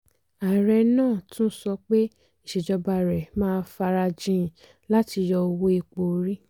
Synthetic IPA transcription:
a˨ɾɛ˧nãː˦˨tũ˦n̩˦sɔ˧k͡pe˦ | i˦˨ʃe˨d͡ʒɔ˧ba˧ɾɛ˨mãː˦˧˦fa˧ɾa˧d͡ʒĩ˦˨ | la˦ti˧jɔ˧wo˦e˧k͡po˨˧˦ɾi˦

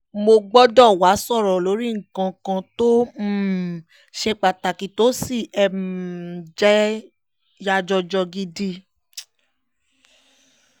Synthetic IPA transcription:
mo˧ɡ͡bɔ˦dɔ̃˦˨wa˨˦sɔ˦˨ɾɔ˨lo˨˦ɾi˦ŋ̩˨kã˧kã˧to˦m̩˦˨ | ʃɛ˧k͡pa˨ta˨ki˨to˨˦si˦˨ɛ˧m˨ | d͡ʒɛ˦ | ja˧d͡ʒɔ˧d͡ʒɔ˧ɡi˧di˧

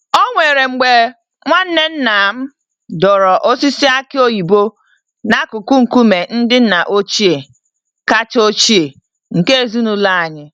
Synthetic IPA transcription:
o˦ŋʷe˨ɾe˨ŋ͡m̩˨ɡ͡be˨ | ŋʷa˦n̩˦ne˦n̩˦na˨˦m̩˦ | dɔ˨ɾɔ˨ʔo˦si˦si˦a˦kɪ˦o˦ji˨bo˦ | na˦kʊ˨ku˦ŋ̩˨ku˦me˨n̩˦dɪ˦n̩˦na˨ʔo˦t͡ʃi˦e˨ | ka˦t͡ʃo˦t͡ʃi˦e˨ | ŋ̩˨ke˦e˨zu˦nu˦la˦a˨ɲɪ˦

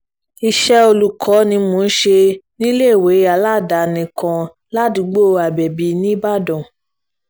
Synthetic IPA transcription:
i˧ʃɛ˧o˧lu˨kʰɔ˨˦nĩ˧mo˧n̩˦ʃe˧nĩ˦le˦˨we˨˦a˧˨la˦˨da˨nĩ˨˧˨kã˧ | la˦du˨˦ɡ͡bo˦a˨bɛ˨bi˨˦nĩ˦ba˦˨dɔ̃˨

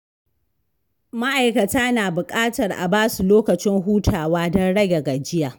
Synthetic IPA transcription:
ma˦ʔa˨jkɐ˨taː˦naː˨bʊ˨kʼaː˦tɐ˨rʔa̰˨baː˦su˨loː˦kɐ˨t͡ʃɪ˦ŋɦuː˦tʰaː˨waː˦dɔ˦nɽɐ˦ɡʲe˨ɡa˨d͡ʒɪ˦jaː˨

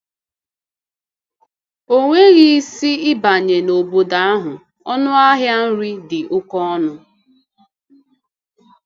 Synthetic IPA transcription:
o˦ŋʷe˦ɣi˦si˦ɪ˦ba˨ɲe˨no˨bo˨da˨a˦ɦʊ˨ | ɔ˦nʊ˦a˦ɦja˦n̩˦ɾi˦dɪ˨ʔʊ˦kɔ˦ɔ˦nʊ˦

